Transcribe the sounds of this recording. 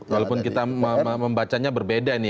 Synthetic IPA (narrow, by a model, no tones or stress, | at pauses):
kalopʊnkit̪aməəməmbat͡ʃaɲabərbedaini